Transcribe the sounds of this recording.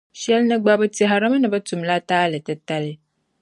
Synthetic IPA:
ʃɛ˦lnɨ˦ɡ͡ba˦bɨ˦tɪ˦ɦa˨ɾɨ˦m˦nɨ˨bɐ˦tu˨m˨la˦taː˦lɨ˨tɨ˨ta˦lɪ˦

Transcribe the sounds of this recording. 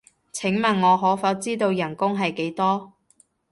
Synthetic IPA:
t͡sʰɪ˨˥ŋmɐ˨nŋɔː˨˧ɦɔː˨˥fɐ˨˧˥w̚t͡siː˥t̪o˧wjɐ˨˩nkʊ˥ŋɦɐ˨jke˨˥jt̪ɔː˥

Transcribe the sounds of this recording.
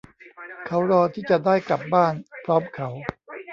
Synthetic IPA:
kʰa˦˥wɾɔː˧t̪ʰiː˥˩t͡ɕa˨˩daː˥˩jkla˨˩p̚baː˥˩npʰɾɔː˦˥mkʰa˦˥w

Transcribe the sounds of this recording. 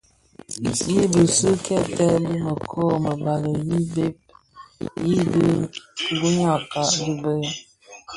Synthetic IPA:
ji˦bə˨sə˦kʰɛ˦tɛ˦bə˦mə˨kʰɔː˦˨mə˨ba˨lə˨ji˦be˦p̚ | ji˦bə˦bu˦ɲa˦˨ka˨di˦bə˦ɣ

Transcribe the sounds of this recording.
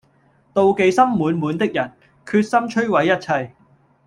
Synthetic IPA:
t̪o˨˧wke˨˧jsɐ˥mːuː˨˥nmuː˨˥nt̪ɪ˥k̚jɐ˨˩n | kʰyː˧t̚sɐ˥mt͡ʃʰɵ˥ɥwɐ˨˧˥jːɐ˥t̚t͡sʰɐ˧j

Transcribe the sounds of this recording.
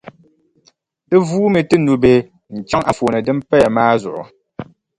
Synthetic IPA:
ɨ˦vuː˦mɨ˨tɨ˦nu˨be˦ | n̩˨t͡ʃa˦ŋʔa˨foː˨nɨ˨dɨ˦m˦pɛ˦ja˨maː˦zʊ̰˨ʔʊ̰˨

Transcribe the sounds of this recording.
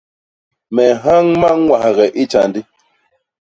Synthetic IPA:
mɛ˨ɦa˦ŋma˦ŋ˦ŋwa˨hɣɛ˨ʔi˦t͡ʃa˨ndi˦

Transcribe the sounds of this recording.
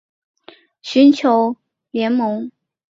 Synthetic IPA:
ɕy˧˥nt͡ɕʰjo˧˥ʊ | ljɛ˧˥nmɤ˧˥ŋ

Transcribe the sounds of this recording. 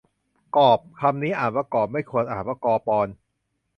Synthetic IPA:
kɔː˨˩p̚kʰa˧mniː˦˥ʔaː˨˩waː˧˩kɔː˨˩p̚ma˥˩jkʰu˧ənʔa̰ː˨˩nwaː˧˩kɔː˧pɔː˧n

